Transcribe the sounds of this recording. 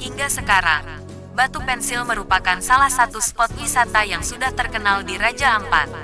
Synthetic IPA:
hiŋɡasəkaɾa̰ŋ | bat̪upɛnsilməɾupakansalahsat̪uspɔt̪̚wisat̪ajaŋsudaht̪ərkənaldiɾad͡ʒaəmpa̰t̪̚

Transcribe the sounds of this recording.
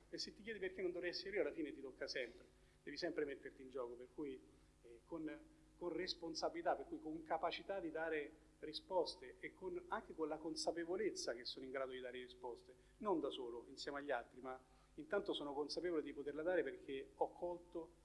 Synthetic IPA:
esːet̪ːik̬jɛːd̪iperk̟enːond̪ovɾɛjɛsːeɾɾioalːafiːnet̪it̪okːasɛmpɾe | d̪ɛːvisɛmpɾemet̪ːert̪ind͡ʒɔːkoperkuji | kon | konresponsabilit̪apːerkuːjkoŋkapat͡ʃit̪ad̪id̪aːɾe | rispɔst̪eekʰːonaŋkekonlakonsapevolet̪sːak̟esːoːnoiŋɡɾaːd̪od̪id̪aːɾerispɔst̪e | nond̪asoːloinsjɛːmeaʎːalt̪ɾima | int̪ant̪osoːnokonsapeːvoled̪ipot̪erlad̪aːɾeperk̟ʰeɔkʰːɔlt̪o

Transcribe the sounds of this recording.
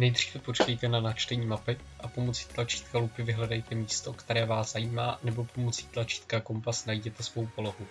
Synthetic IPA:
nɛjd̪r̝iːvɛpo̞t͡ʃkɛjt̪ɛnanat͡ʃt̪ɛɲiːmapɪ | ʔapo̞mo̞t͡si̥ːt̪lat͡ʃi̥ːt̪̚kalupɪvɪɦlɛdajt̪ɛmiːst̪o̞kt̪ɛɾɛːvaːsz̥ajiːmaːnɛbo̞po̞mo̞t͡siːt̪lat͡ʃi̥ːt̪kako̞mpasnajiɟɛt̪ɛsvo̞wpo̞lo̞ɦu

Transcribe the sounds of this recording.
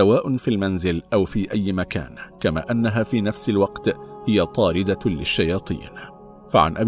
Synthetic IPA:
awaːʔʊnfilmanzɪlʔawfiːʔajːmaka̰ːnkama̰ːʔanːaɦaːfiːnafsɪlwɑqt̪hɪjat̪ˤɑːɾɪd̪alɪʃːajɑːt̪ˤḭːn | faʕa̰nʔab

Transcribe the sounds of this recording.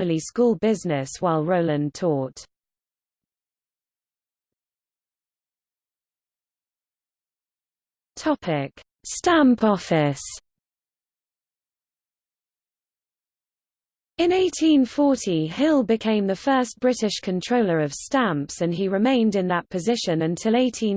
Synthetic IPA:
ɪliskuːlˠbɪznɪswaɪlˠɹəʊlə̃ntʰɔˑt | tʰɒpʰɪk | stãmpʰɒfɪs | ɪ̃neɪtʰĩnfɔˑtʰihɪlˠbɪkʰẽɪ̃mðəfɜˑsb̥ɹɪtɪʃkʰə̃ntʰɹ̥əʊləɹəv̥stãmpsə̃niɹɪmẽɪ̃ndɪ̃nðəʔpʰəzɪʃə̃nə̃ntʰɪleɪtʰĩ

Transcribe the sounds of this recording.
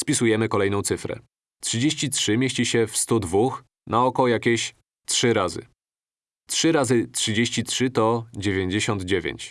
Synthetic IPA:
spʲisujɛmɘkɔlɛjnɔ̃w̪̃sɘfɾɛ̰ | tʂɘd͡ʑeɕt͡ɕitʂɘmʲjeɕt͡ɕiɕɛfst̪ud̪vux | naɔkɔjakʲeɕ | tʂɘɾazɘ̰ | tʂɘɾazɘtʂɘd͡ʑeɕt͡ɕitʂɘt̪ɔd͡ʑevʲjeɲd͡ʑeɕɔnd̪d͡ʑevʲjḛɲt͡ɕ

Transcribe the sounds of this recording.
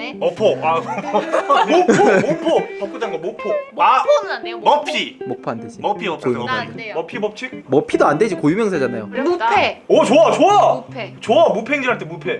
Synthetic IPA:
mʌpʰoa | moomopʰopʌp̚k͈ɯdanɡʌmopʰoa | mʌpʰimʌpʰoanded͡ʑimʌpʰiʌkojuimʌpʰimʌp̚t͡ɕʰimʌpʰidoanded͡ʑikojumjʌŋsʰad͡ʑanajomupʰeʌt͡ɕoat͡ɕoat͡ɕoamupʰeŋd͡ʑiɦaɭtʰemupʰe̞

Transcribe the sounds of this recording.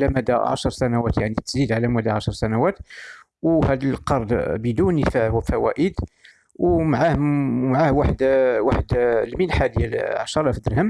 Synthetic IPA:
læmæd̪æʕɑ̰ʃəɾˤsænæwæt̪jaʕnit̪ːə̥sd̪id̪ʕalæmæd̪æʕɑʃɾˤsænæwæt̪ | whæd̪əlqɑɾˤd̪bəd̪unəfæhwfæwæ̰ʔəd̪ | wmʕahmʕahwaħd̪waħəd̪lminħad̪jælʕɑ̰ʃɑɾˤɑfəd̪əɾhəm

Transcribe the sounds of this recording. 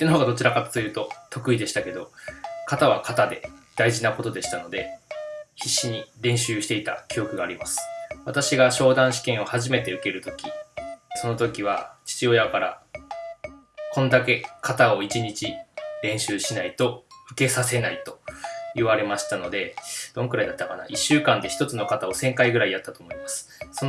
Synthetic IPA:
enoɦoɡad̪o̞t͡ɕiɾakat̪t̪ojɯ̟ːt̪o̞t̪o̞kɯ̟id̪e̞ɕi̥t̪ake̞d̪o̞kat̪aβ̞akʰat̪ad̪e̞̰d̪̥aiʑinako̞t̪o̞d̪e̞ɕi̥t̪anod̪e̞ | çiɕːiɲ̟iɾẽ̞ɰ̃ɕɨːɕi̥t̪eit̪a̰kʲio̞kɯ̟ɡaːɾimasɨ̥βat̪aɕiɡaɕo̞ːd̪ãɰ̃ɕi̥kẽ̞ɰ̃o̞haʑime̞t̪e̞ɯ̟ke̞ɾɯ̟t̪o̞̥kʲiso̞no̞t̪o̞kʲiβ̞a̰t͡ɕi̥t͡ɕio̞jakaɾa̰ | kõ̞nd̪ake̞kʰat̪ao̞it͡ɕiɲ̟it͡ɕiɾẽ̞ɰ̃ɕɨːɕinait̪o̞ɸɯ̟ke̞sase̞nait̪o̞̥iβaɾe̞maɕi̥t̪ano̞d̪e̞d̪̥õ̞ŋkɯ̟ɾaid̪at̪ːakana̰ʔiɕːɨːkãnd̪e̞çi̥t̪o̞t͡sɨno̞kat̪ao̞sẽ̞ŋkaiɡɯ̟ɾaiat̪ːat̪o̞ːmo̞imasɨ̥so

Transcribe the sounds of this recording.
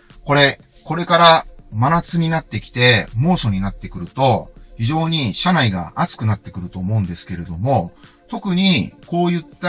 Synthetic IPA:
ko̞ɾe̞ | ko̞ɾe̞kaɾamanat͡sɨɲ̟inat̪ːe̞kʲi̥t̪e̞mo̞ːso̞ɲ̟inat̪ːe̞kɯ̟ɾɯ̟t̪o̞çiʑo̞ːɲ̟iɕanaiɡa̰ʔat͡sɨ̥kɯ̟nat̪ːe̞kɯ̟ɾɯ̟t̪o̞ːmo̞ɯ̟̃nd̪e̞sɨ̥ke̞ɾe̞d̪o̞mo̞ | t̪o̞kɯ̟ɲ̟iko̞ːjɯ̟t̪ːa

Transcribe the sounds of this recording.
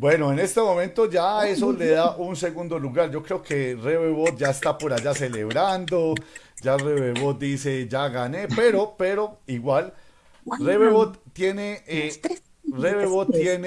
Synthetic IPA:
bwe̞no̞ene̞st̪e̞mo̞mẽnt̪od͡ʒae̞so̞le̞ðaʔunse̞ɣund̪o̞luɣaɾd͡ʒo̞kɾe̞oke̞reβeβo̞t̪̚d͡ʒaest̪apo̞ɾaʝase̞le̞βɾand̪o̞d͡ʒareβeβo̞t̪̚d̪ise̞d͡ʒaɣane̞pe̞ɾo̞pe̞ɾo̞iɣwal | reβeβot̪ːje̞ne | reβeβot̪ːjen

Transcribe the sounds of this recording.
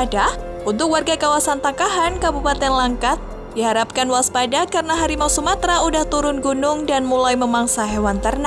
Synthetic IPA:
ada | unt̪ʊk̚warɡakawasant̪akaɦankabupat̪ɛnlaŋkat̪̚ | diɦaɾap̚kanwaspadakaɾənaɦaɾimausəmat̪ɾaudaht̪uɾʊnɡunʊŋdanmulajməmaŋsaɦewant̪ərna

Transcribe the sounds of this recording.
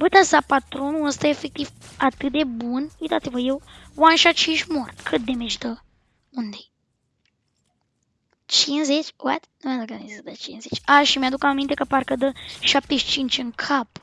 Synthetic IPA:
bɨt̪asapat̪ɾonuəst̪aefek̚t̪ivat̪ɨt̪̚d̪ebunwit̪at̪sʲivəjewwanʃat͡ʃinʃmort̪kʰɨt̪̚d̪emet͡ʃd̪ə | und̪e | t͡ʃinzet͡ʃʲwa̰t̪numad̪okanized̪at͡ʃinzet͡ʃʲaʃimjad̪ukəamːint̪e̞kəparkəd̪əʃap̚t̪eʃt͡ʃint͡ʃɨŋkʰap

